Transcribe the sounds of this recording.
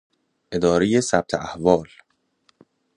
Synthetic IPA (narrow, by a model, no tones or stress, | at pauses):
ʔe̞d̪ɒːɾejesæb̚t̪ʰeʔæhvɒːl